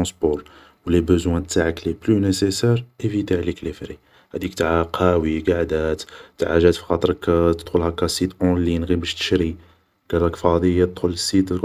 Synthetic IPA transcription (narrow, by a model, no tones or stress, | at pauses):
ɑ̃sbɔɾ | wlebəzwæt̪ːaʕəkliplynesesɛɾʔefid̪iʕliklifɾi | hæd̪ikt̪aʕaqʰɑwiɡaʕd̪æt̪t̪aʕaʒæt̪fi̥xɑt̪ˤəɾkt̪əd̪xʊlhækːæsit̪ʔolinɣibəʃt̪ə̥ʃɾi | ɡ̥ælækfɑd̪ijæt̪əd̪xʊləsːit̪l